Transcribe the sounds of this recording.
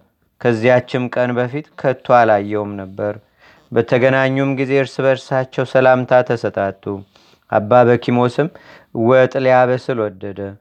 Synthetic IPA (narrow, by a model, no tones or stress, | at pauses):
kʰəzːijat͡ʃːɪmkʼənbəfit̪kʰət̪ʰːwalajːɛwumnəbːəɾ | bət̪ʰəɡənaɲːumɡize̞ɨɾsɨβəɾsat͡ʃːɛwsəlamt̪ʰat̪ʰəsət̪ʼat̪ʼːu | ʔa̰bːaβəkʰimo̞sɨm | wət̪ʼljaβəsɨlwɔd̪ːəd̪ə